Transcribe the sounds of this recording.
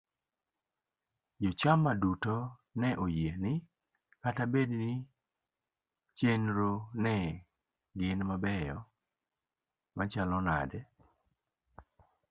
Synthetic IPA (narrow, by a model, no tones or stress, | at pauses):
jɔt͡ʃamːadutonɛʔojenɪ | katabednɪ | t͡ʃenɾonɛ | ɡɪnmabɛjɔ | mat͡ʃalɔna̰dɛ